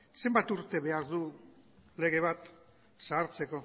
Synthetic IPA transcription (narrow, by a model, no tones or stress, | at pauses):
se̞mbat̪uɾt̪e̞βe̞aɾðu | le̞ɣ̞e̞βat̪ | saːɾt͡se̞ko̞